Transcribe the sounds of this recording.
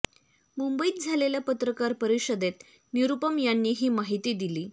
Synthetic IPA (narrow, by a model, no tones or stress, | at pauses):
mumbəiːt̪̚d͡zʱaleljapət̪ɾəkaɾpəɾiɕəd̪et̪ | niɾupəmjanːiːɦiːmaɦit̪iːd̪iliː